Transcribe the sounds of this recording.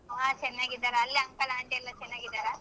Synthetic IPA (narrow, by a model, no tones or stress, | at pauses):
aːt͡ʃɛnːaːɡid̪aːɾɐɐlːeɐŋkɐlaːɳd̪eilːɐt͡ʃɛnːaːɡid̪aːɾɐ